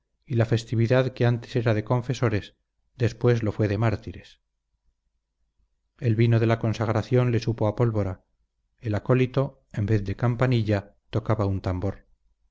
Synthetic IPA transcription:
ilafe̞st̪iβiðaðkeant̪ese̞ɾaðe̞kõ̞ɱfe̞so̞ɾe̞s | d̪e̞spwe̞zlo̞fwe̞ðemaɾt̪iɾe̞s | e̞lβinoðe̞lako̞nsaɣɾaθjo̞nle̞supo̞apo̞lβo̞ɾa | elako̞lit̪o̞ | e̞mbe̞θðe̞kampaniʎat̪o̞kaβaunt̪ambo̞ɾ

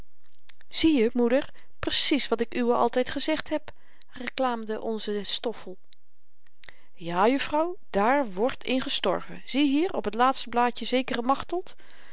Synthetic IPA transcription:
z̥ijəmudəɹ | prəsisʋɑtɪkyəɑ̰lˠtɛjtχəzɛχtɦɛp | rəklaːmdəʔɔnzəstɔfəlˠ | jaːjɵfrɑw | d̥aːɹʋɔɹtʰɪ̰nχəstɔ̰ɹvə̰z̥iɦiːrɔpɦətlaːtstəblaːcəzejkərəmɑχtəlˠt

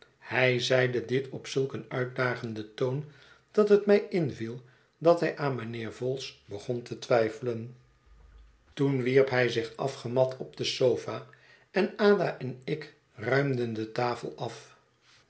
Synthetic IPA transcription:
hɛjzɛjdədɪtʰɔpsɵlˠkənœɥt̚daːχəndətown | d̥ɑtɦətmɛjɪnvilˠ | dɑtɦɛjʔaːnmənɪːɹvɔlˠsbəχɔntətʋɛjfələn | tunʋiɹpɦɛjzɪχɑfχəmɑtʰɔb̚dəsowfaː | ɛnaːdaʔɛnɪk | rœɥmdəndətaːfə̰lˠɑf

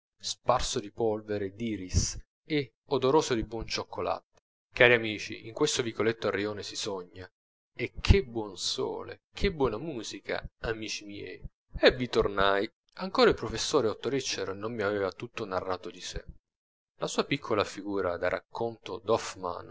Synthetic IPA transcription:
sparsod̪ipɔlveɾed̪iːɾis | e | od̪oɾoːsod̪ibwɔnt͡ʃokːola̰t̪e̥ | kaːɾiamiːt͡ʃḭʔiŋkwest̪ovikolet̪ːoarioːnesisɔɲːa | ek̟ʰːebːwɔnso̰ːlḛkʰebːwɔːnamuːzikʰa̰amiːt͡ʃimjɛ̰j | evːit̪ornaj | aŋkoːɾaipɾofesːoːɾeot̪ːoɾit͡ʃːeɾnomːiavɛːvat̪ut̪ːonarːaːt̪od̪isḛ | lasuːapikʰːolafiɡuːɾa̰d̪arʔa̰kʰːont̪od̪ɔfma̰n

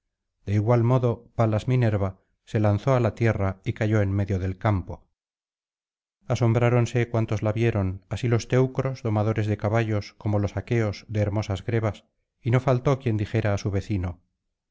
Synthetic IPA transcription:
d̪̥e̞iɣwalmo̞ðo̞palazmine̞ɾβa | se̞lanθo̞alat̪je̞raikaʝo̞e̞nme̞ðjoðe̞lkampo̞ | aso̞mbɾaɾo̞nse̞kwant̪o̞zlaβje̞ɾo̞nasilo̞st̪e̞wkɾo̞zðo̞maðo̞ɾe̞zðe̞kaβaʎo̞sko̞mo̞lo̞sake̞o̞sðe̞ːɾmo̞sazɣɾe̞βas | ino̞falt̪o̞kje̞nd̪ixe̞ɾaːsuβe̞θino

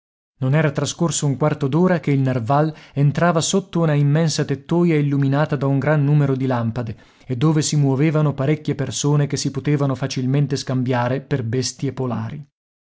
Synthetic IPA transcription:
nonɛːɾat̪ɾaskorsouŋkwart̪od̪oːɾakeilnarvalent̪ɾaːvasot̪ːounaimːɛnsat̪et̪ːoːjailːuminaːt̪ad̪auŋɡɾanːuːmeɾod̪ilampad̪e | ed̪ːoːvesimwoveːvanopaɾekʲːjepersoːnekesːipot̪eːvanofat͡ʃilment̪eskambjaːɾeperbest̪iepola̰ːɾi

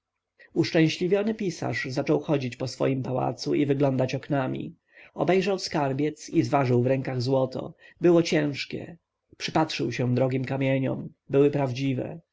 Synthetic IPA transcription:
uʂt͡ʂɛ̃w̃ɕlʲivʲjɔnɘpʲisa̰ʐzat͡ʂɔwxɔd͡ʑit͡ɕpɔsfɔ̰jimpawa̰t̪suʔivɘɡlɔnd̪at͡ɕɔknamʲḭ | ɔbɛjʐawskaɾbʲjɛt̪sizvaʐɘwvɾɛ̃ŋkaɣzwɔt̪ʰɔ̰bɘwɔt͡ɕɛ̃w̃ʂkʲɛ̰ | pʂɘpatʂɘwɕɛ̃d̪ɾɔɡʲimkamʲjeɲɔ̰m | bɘwɘpɾavd͡ʑivɛ̰

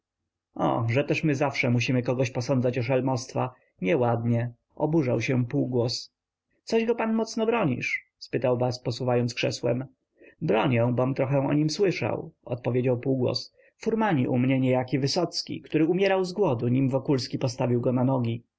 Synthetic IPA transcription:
ɔ̰ʐɛt̪ɛʂmɘzafʂɛmuɕimɘkɔɡɔɕpɔsɔnd̪zat͡ɕɔʂalmɔst̪fa̰ | ɲɛwad̪̚ɲɛ | ɔbuʐawɕɛpuwɡwɔs | t̪sɔʑɡɔpanmɔt̪snɔbɾɔɲḭʂ | spɘt̪awvaspɔsuvajɔnt̪skʂɛswɛ̰m | bɾɔɲɛ̃w̃bɔmt̪ɾɔxɛ̃ɔ̰ɲimswɘʂa̰wɔ̰t̪̚pɔvʲed͡ʑawpuwɡwɔ̰s | fuɾmaɲiʔumɲɛɲɛjakʲivɘsɔt̪skʲḭkt̪uɾɘumʲjɛɾawzɡwɔd̪uɲimvɔkulskʲipɔst̪avʲiwɡɔnanɔɡʲi

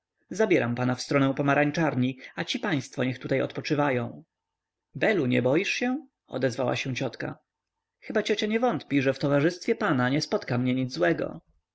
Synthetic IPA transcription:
zabʲjɛɾampanafst̪ɾɔnɛ̃w̃pɔmaɾaɲʲt͡ʂaɾɲiat͡ɕipaj̃st̪fɔɲɛxt̪ut̪ajɔ̰t̪pɔt͡ʂɘvajɔ̃w̃ | bɛluɲɛ̰bɔjiʂɕɛ | ɔ̰d̪ɛzvawa̰ɕɛw̃t͡ɕɔt̪ka̰ | xɘbat͡ɕɔt͡ɕaɲɛvɔnt̪pʲiʐɛft̪ɔvaʐɘst̪fʲjɛpanaɲɛspɔt̪kamɲɛɲid̪zwɛɡɔ̰

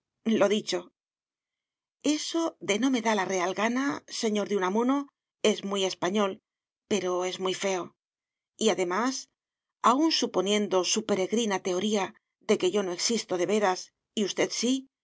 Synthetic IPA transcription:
lo̞ðit͡ʃo̞ | e̞so̞ðe̞no̞me̞ðalare̞alɣanase̞ɲo̞ɾðunamuno | e̞zmije̞spaɲo̞l | pe̞ɾo̞e̞zmijfe̞o̞ | iaðe̞mas | aunsupo̞nje̞nd̪o̞supe̞ɾe̞ɣɾinat̪e̞o̞ɾia | ðe̞ke̞ʝo̞no̞e̞ksist̪o̞ðe̞βe̞ɾas | iust̪e̞ðsi

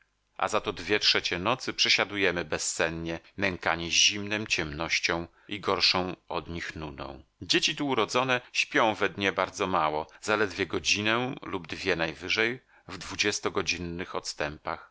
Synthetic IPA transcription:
ʔa̰zat̪ɔd̪vʲjɛtʂɛt͡ɕɛnɔt̪sɘpʂɛɕad̪ujɛmɘbɛsːɛnɲɛmɛŋkaɲɛʑimnɛm̃t͡ɕɛmnɔɕt͡ɕɔ̃w̃ | iɡɔɾʂɔ̃w̃ʔɔd̪ɲixnunɔ̰̃w̃d͡ʑet͡ɕit̪uːɾɔd̪zɔnɛɕpʲjɔ̃w̃vɛd̪ɲɛbaɾd̪zɔmawɔzalɛd̪vʲjɛɡɔd͡ʑinɛlubd̪vʲjɛnajvɘʐɛj | vd̪vud͡ʑɛst̪ɔɡɔd͡ʑinːɘxɔt̪st̪ɛmpa̰x

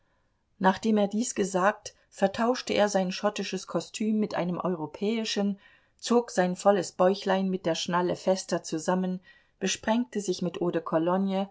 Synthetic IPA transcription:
naːχd̥eːmeːɐdiːsɡ̥əzaːk̚t | fɛɐtʰaʊʃtəʔeːɐzaɪnʃɔtɪʃəskʰɔstʰyːmːɪtʔa̰ɪnəmʔɔ̰ʏʁ̞opʰɛːɪʃən | t͡soːkz̥aɪnfɔləsb̥ɔʏçlaɪnmɪt̚d̥eːɐʃnaləfɛstɐt͡suzamən | b̥əʃpʁ̥ɛŋk̚təzɪçmɪtʔoːdəkʰɔlɔnjə

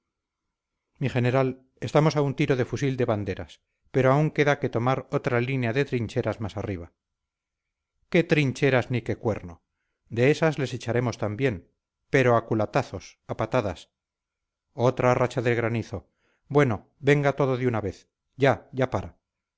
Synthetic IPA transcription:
miχe̞ne̞ɾal | e̞st̪amo̞saunt̪iɾo̞ðe̞fusild̪e̞βand̪e̞ɾa̰s | peɾo̞auŋke̞ðake̞t̪o̞maɾo̞t̪ɾalineaðe̞t̪ɾiɲt͡ʃe̞ɾazmasariβ̞a | ke̞t̪ɾiɲt͡ʃe̞ɾaznike̞kwe̞ɾno | d̪e̞esazle̞set͡ʃaɾe̞mo̞st̪ambje̞n | pe̞ɾo̞akulat̪aθo̞sapat̪aðas | o̞t̪ɾarat͡ʃaðe̞lɣɾaniθo̞ | bwe̞no̞ | be̞ŋɡat̪o̞ðo̞ðeunaβe̞θ | ɟ͡ʝaʝapaɾa

